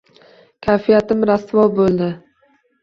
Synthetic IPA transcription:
kʲʰajfijat̪ɪmɾast̪vɒlˠbolˠd̪ɪ

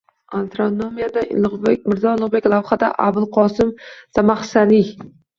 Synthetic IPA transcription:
ant̪ɾonomijad̪abek̚ʲmɪɾzɒlˠʊʁbe̞kʲlˠawχad̪a̰ʔabɪlˠqʰɒsɪmsamaχsali

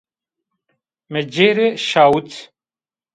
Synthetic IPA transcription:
med͡ʑeɾeɕaːut͡s

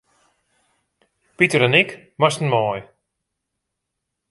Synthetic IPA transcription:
pitəɾənɪk | mastn̩mɔj

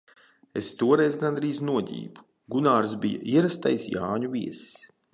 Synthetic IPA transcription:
ḛst̪uɔɾɛjzɡand̪ɾiːznuɔɟḭːbu̥ | ɡunaːɾsbija̰ʔiɛɾast̪ajsjaːɲuvʲiɛss

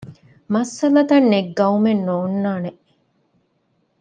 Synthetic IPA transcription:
mɐsːɐlɐt̪ɐnːeɡːɐumenːoːnːaːneʔ

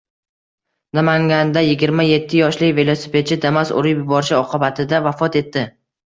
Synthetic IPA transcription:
namaŋɡʲand̪ajɪɡʲɪɾmaje̞t̪ʰːɪjɒʃlɪkʲve̞lˠosɪ̥pʰe̞t̪̚t͡ʃʰɪd̪amasʊ̰ɾɪjjʊbɒɾɪʃɪɒqʰɨbat̪ʰɪd̪avafɒt̪e̞t̪ʰːɪ

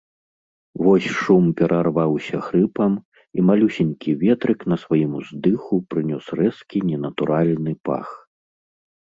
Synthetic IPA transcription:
vɔsʲʂumpʲɛɾʔarvawsʲɐxɾɨpɐm | imalʲusʲɛnʲkʲivʲɛt̪ɾɨkn̪ɐsvajimuzd̪ɨxupɾɨnʲɔsrɛskʲinʲɛnɐt̪uɾalʲnɨpa̰x

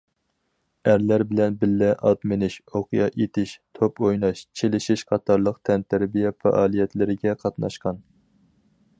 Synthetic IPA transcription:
æɾlæɾbɪlɛnbɪlːɛʔɑt̪mɪnɪʃoqʰjɑʔet̪ʰɪʃt̪ʰopojnɑʃt͡ʃʰelɪʃiʃqʰɑt̪ʰɑɾlˠəq̚t̪ʰɛnt̪ʰæɾbijɛfɑ̰ʔɑːlˠijɛt̪lɪɾɪɡʲɛqʰɑt̪nɑʃqɑn

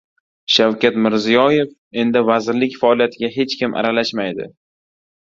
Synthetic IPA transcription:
ʃawkʲʰat̪mɪɾzijɒje̞f | e̞nd̪ɪvazɪɾlɪkʲfaɒlˠijat̪ʰɪɡʲaɦe̞t͡ʃkʲɪmʔa̰ɾalaʃmajd̪ɪ̰

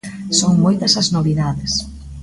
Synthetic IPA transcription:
soŋmojt̪ɐsɐznoβiðaðɪs

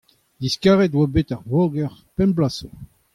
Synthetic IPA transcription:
d̪iskaʁɛt̪wabet̪aʁvoɡɛʁpɛ̃nblaso

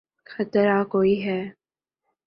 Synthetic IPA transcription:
xɐt̪ɾakoːiɦɛː

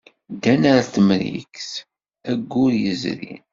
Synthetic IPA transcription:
d̪ænaɾaθəmɾḭks | æɡːʊɾjəzɾḭn

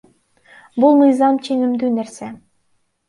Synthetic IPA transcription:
bulˠmɯjzɑmt͡ʃʰeŋimd̪yːneɾse

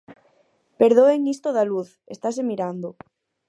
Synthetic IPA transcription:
peɾðoeŋist̪oðaluθ | est̪as̬emiɾand̪o

